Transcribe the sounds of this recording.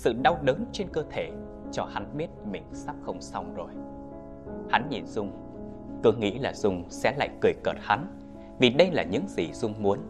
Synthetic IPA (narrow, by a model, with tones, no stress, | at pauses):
sɨ̰˧˨ɗa˧wɗəː˨˦nt͡ɕe˧nkəː˧t̪ʰe˧˩ | t͡ɕɔ˧ha˨˦nɓi˦˥ət̚mï˨˩ŋ̟saː˦˥p̚xə˧wŋ͡msa˧wŋ͡mzo˨˩j | ha˨˦nɲḭ˧˨˩nzʊ˧ŋ͡m | kɨ˨˦əŋḭ˧˥laː˨˩z̥ʊ˧ŋ͡msɛ̰˧˥la̰ː˧˨jkɨ˨˩əjkəː˨˩t̚ha˨˦n | vi˨˩ɗə˧jlaː˨˩ɲɨ̰˧˥ŋzi˨˩z̥ʊ˧ŋ͡mmu˨˦ən